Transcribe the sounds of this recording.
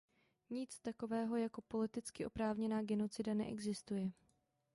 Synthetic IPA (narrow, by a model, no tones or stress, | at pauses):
ɲɪt͡st̪ako̞vɛːɦo̞jako̞po̞lɪt̪ɪt͡skɪʔo̞pɾaːvɲɛnaːɡɛno̞t͡sɪdanɛ̰ʔɛ̰ɡzɪst̪ujɛ